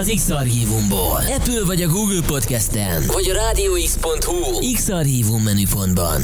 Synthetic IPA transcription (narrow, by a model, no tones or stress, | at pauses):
ɒziksɒrɦiːvumboːlɛpylvɒɟɒɡuːɡlpo̞t̪kɛst̪ɛnvɒɟɒɾaːd̪ioːikspo̞nt̪hu | iksɒrɦiːvumːɛnypo̞nd̪bɒ̰n